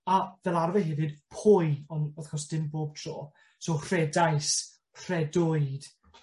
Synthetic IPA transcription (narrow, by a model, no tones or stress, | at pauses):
avɛlˠarvɛɦɪvɨd̥pʰʊjɔnɔθkʰɔsd̥ɪmboːb̚tʰro̰ː | soːr̥ɛdajs | r̥ɛdoɨd̥